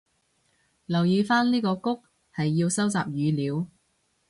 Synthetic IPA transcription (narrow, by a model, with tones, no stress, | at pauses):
lɐ˨˩wjiː˨˧faː˥nliː˥kɔː˧kʊ˥k̚ | hɐ˨jːi˧wsɐ˥wt͡sa̰ː˨p̚jyː˨˧liː˨˧w